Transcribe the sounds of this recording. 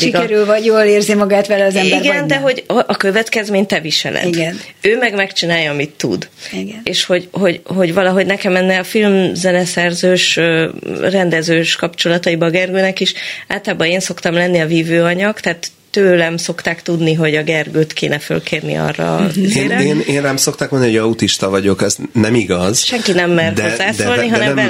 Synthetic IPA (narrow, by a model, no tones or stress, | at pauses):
ʃiiɡɛɾylvɒɟjoːleːrzimɒɡaːt̪ʋɛlɛɒzɛmbiɾɡɛnd̪ɛɦo̞ɟɒʔɒkø̞vɛt̪kɛzmeːɲt̪ɛviʃɛ̰lʔɛ̰iɡɛnøːmɛɡmɛkt͡ʃinaːjɒɒmit̪ːṵd̪iɡneːʃho̞ɟho̞ɟɦo̞ɟʋvɒlɒɦo̞ɟnɛkɛmɛnːɛɒfilmzɛnɛsɛrzøːʃørɛnd̪ɛzøːʃkɒpt͡ʃo̞lɒt̪ɒibɒːɡɛrɡøːnɛkiʃaːt̪laːbɒeːnso̞kt̪ɒmlɛnːiɒviːvøːɒɲɒkt̪ɛaːt̪ːøːlɛmso̞kt̪aːkt̪ud̪niɦo̞ɟɒɡɛrɡøːt̪kḛːnɛfø̰lkʰeːrnḭɒ̰rːɒ̰eːɾeːneːnrɛmso̞k̚t̪aːkmniojɒut̪iʃt̪ɒvɒɟo̞kɛznɛmiɡɒzʃɛŋkinɛmːɛrd̪ozːaːdsɛoliɦɒnɛm